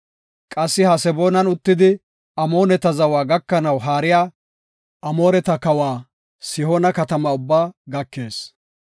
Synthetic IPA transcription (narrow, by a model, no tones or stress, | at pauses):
kʼɐsːɪhɐsɛbo̞ːnɐnʊt̪ːɪd̪ɪ | ɐmo̞ːnɛt̪ɐzɐwaːɡɐkːɐnɐwɦaːɾɪjaː | ʔɐmo̞ːɾɛt̪ɐkɐwaː | sɪhoːnɐkɐt̪ɐmaʊbːaːɡɐkːe̞ːs